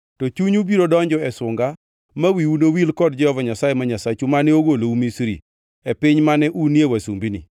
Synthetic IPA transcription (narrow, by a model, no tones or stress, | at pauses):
tɔt͡ʃuɲubiɾodɔɲd͡ʒɔɛsʊŋɡa | mawiunowilkɔdd͡ʒɔjɔvɔɲasajemaɲasat͡ʃumanɛoɡoloumisɾḭ | ɛpɪɲmanɛʔunjewasṵmbinḭ